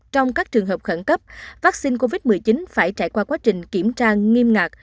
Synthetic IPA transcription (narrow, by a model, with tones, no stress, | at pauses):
t͡ɕɔ˧wŋ͡mkaː˦˥k̚t͡ɕɨ˨˩əŋɦəː˨˩p̚xə˧˩nkə˦˥p̚vaː˦˥k̚si˧nko˧vi˦˥t̚mɨ˨˩əjt͡ɕi˨˦nfaː˧˩jt͡ɕaː˧˩jkwaː˧kwaː˨˦t͡ɕï˨˩ŋ̟ki˧˩əmt͡ɕaː˧ŋi˧mŋaː˨˩k̚